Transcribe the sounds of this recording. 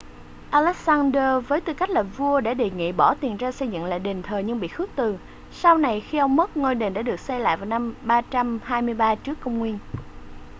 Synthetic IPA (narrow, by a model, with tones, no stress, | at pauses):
ʔaː˧lɛ˦˥k̚saː˧ndəː˧vəː˨˦jt̪ɨ˧˩ka˦˥k̟̚laː˨˩vu˧əɗa̰ː˧˥ɗḛ˨ŋḭ˧˨ɓɔ˧˩t̪i˨˩ənzaː˧sə˧jzɨ̰˧˨ŋla̰ː˧˨˩ɗe˨˩nt̪ʰəː˨˩jɲɨ˧ŋɓḭ˧˨xɨ˦˥ək̚t̪ɨ˨˩ | sa˧wna˨˩jxi˧ʔə˧wŋ͡mmə˦˥t̚ŋəː˧jɗe˨˩nɗa̰ː˧˥ɗɨ˨˩ək̚sɛ˧la̰ː˧˨jvaː˨˩wna˧mɓaː˧t͡ɕa˧mhaː˧jmɨ˧əjɓaː˧t͡ɕɨ˦˥əkːə˧wŋ͡mŋwi˧ən